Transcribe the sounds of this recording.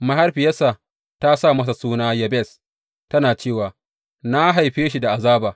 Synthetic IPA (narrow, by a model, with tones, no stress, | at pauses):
mɐ˦ɦa˦rɸɪ˨jɐ˦sa˨ | ta˦sa˦˨mɐ˦s̬a˨suː˦naː˦jɐ˨bɛ˦˨s | tɐ˦naː˨t͡ʃeː˦˨waː˨ | na˦ɦa˨jɸeː˦ʃi˦da˨ʔa˨zaː˦baː˨